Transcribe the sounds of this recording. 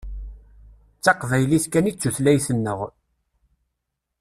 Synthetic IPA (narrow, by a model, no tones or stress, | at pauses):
t͡sːɑqvæjliθkænit͡sːuθlæjθənːəʁ